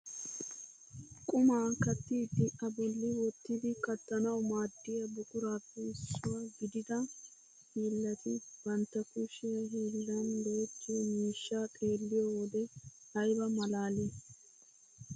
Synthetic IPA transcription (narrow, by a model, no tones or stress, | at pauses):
kʼʊmaːkɐt̪ːiːd̪ɪʔɐbɔlːɪwɔt̪ːɪd̪ɪkɐt̪ːɐnɐwmaːd̪ːɪjɐbʊkʼʊɾaːpːɛɪsːʊwaːɡɪd̪ɪd̪ɐ | hiːlːɐt̪ɪb̥ɐnt̪ːɐkʊʃɪjɐhiːlːɐnloːt͡ʃːimiːʃːaːkʼe̞ːlːɪjɔwɔd̪ɛhɐjbɐmɐlaːliː